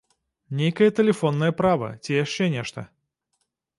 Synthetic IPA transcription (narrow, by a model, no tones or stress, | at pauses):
nʲejkɐjɐt̪ɛlʲɛfɔnːɐjɐpɾavɐ̰t͡sʲijaʂt͡ʂɛnʲɛʂt̪ɐ